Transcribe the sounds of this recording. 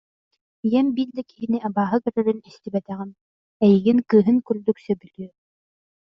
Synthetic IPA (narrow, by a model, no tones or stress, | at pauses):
jɛmbild̪aki̥ɦiniabaːɦɯkœɾœɾynist̪ibɛt̪ɛʁin | ɛjiɡiŋkɯːɦɯŋkyɾd̪yksœbylʲyø